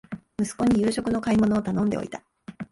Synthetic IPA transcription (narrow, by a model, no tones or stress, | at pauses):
mɯ̟sɨ̥ko̞ɲ̟ijɯ̟ːɕo̞kɯ̟no̞kaimo̞no̞ːt̪anõ̞nd̪e̞o̰it̪ḁ